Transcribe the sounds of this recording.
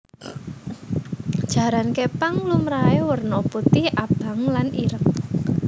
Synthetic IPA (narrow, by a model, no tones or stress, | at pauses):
d̥ʒ̥a̤ɾankepaŋlumɾaewərnɔput̪iab̥ä̤ŋlaniɾəŋ